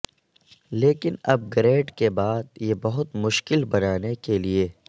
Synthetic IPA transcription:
leːkɪnɐb̚ɡɾeːɖkebaːd̪̚jebɐɦʊt̪mʊʃkɪlbɐnaːnekelieː

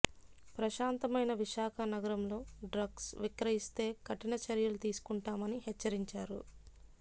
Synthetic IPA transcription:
pɾɐʃaːnt̪ɐmɐjnɐʋiʃaːkʰɐnɐɡɐɾɐmlo̞ːɖɾɐɡsʋikɾɐɦist̪e̞ːkɐʈinɐt͡ʃɐɾjɐlut̪iːsu̥kuɳʈaːmɐniɦɛt͡ʃːɐɾiɲt͡ʃaːɾṵ

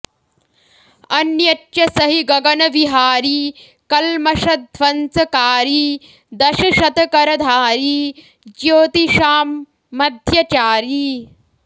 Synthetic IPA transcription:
ɐnjɐt͡ʃʃɐsɐɦiɡɐɡɐnɐʋiɦaːɾiː | kɐlmɐʃɐd̪ʱʋɐnsɐkaːɾiː | d̪ɐʃɐʃɐt̪ɐkɐɾɐd̪ʱaːɾiː | d͡ʒjoːt̪iʃaːmː | ɐd̪ʱjɐt͡ʃaːɾi

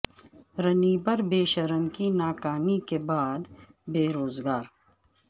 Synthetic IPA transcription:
ɾɐniːbɐɾbeːʃɐɾəmkinaːkaːnikebaːd̪ | beːɾoːzɡaːɾ

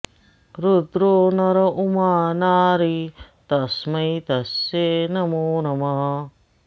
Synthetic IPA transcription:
ɾud̪ɾoːnɐɾɐʔumaːnaːɾit̪ɐsmɐjt̪ɐsːenɐmuːnɐmɐɦɐ

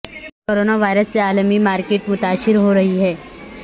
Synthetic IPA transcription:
koːɾoːnaʋaːɪɾəsːeaːlmimaːɾkeːʈmʊt̪aːʃɪɾɦoɾɐɦiɦɛː

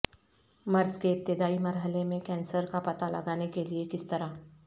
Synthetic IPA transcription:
mɐɾskeɪp̚t̪ɪd̪aːimɐɾɦəlemẽkɛ̃ːnsəɾkapɐt̪alɐ̰ɡaːnekeliekɪst̪ɐɾa

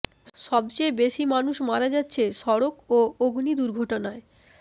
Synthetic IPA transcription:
ʃɔbt͡ɕejbeʃimanuʃmaɾad͡ʑatːɕʰeʃɔɾokooɡnid̪uɾɡʱɔʈonae

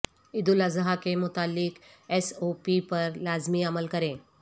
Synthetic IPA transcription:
id̪uləzəɦakemʊt̪alːik | esopipəɾlazmiːaməlkəɾẽ

